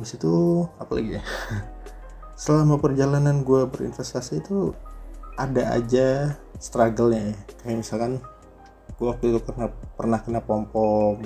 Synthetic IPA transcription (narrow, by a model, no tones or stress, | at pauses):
bisit̪uapala̰ɡi | səlamapərd͡ʒalananɡuabəɾḭnfɛst̪asiːt̪u | adaa̰d͡ʒast̪ɾaɡəlɲajakajamisalkan | ɡ̥uawak̚t̪ut̪upərnapərnahkənapɔmpɔk̚